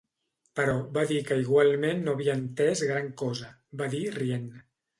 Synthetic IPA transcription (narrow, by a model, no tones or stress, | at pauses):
pəɾɔβaðikəiɣ̞walˠmenːoəβiəːnt̪ɛzɣɾaŋkɔzə | baðirien